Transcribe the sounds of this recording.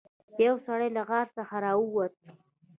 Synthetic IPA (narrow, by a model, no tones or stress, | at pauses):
d̪̥əjawsaɽajlaɣɑɾsəxaɾɑəwat̪̚